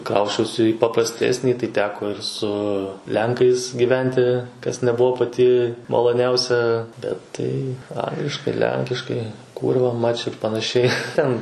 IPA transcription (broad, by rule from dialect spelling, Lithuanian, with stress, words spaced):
ˈkrɐʊsʲt͡ʃʲɛʊsʲɪ iː pɐprɐˈsʲtʲæːsʲnʲiː tɐɪ ˈtʲæːkoː ɪr sʊ ˈlʲɛŋkɐɪs ɡʲiːˈʋʲɛnʲtʲɪ ˈkɐs nʲɛˈbʊʋoː pɐˈtʲɪ mɐlˠoːˈnʲɛʊsʲɛ bʲɛt ˈtɐɪ ˈɐŋɡlʲɪʃkɐɪ ˈlʲɛŋʲkʲɪʃkɐɪ ˈkuːrʋɐ mɐt͡ʃ ɪr pɐnɐˈʃʲɛɪ ˈtʲɛn